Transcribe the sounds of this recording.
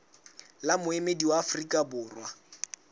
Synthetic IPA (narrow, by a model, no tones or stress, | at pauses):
lamʊemediwaafrikʼabʊːrwa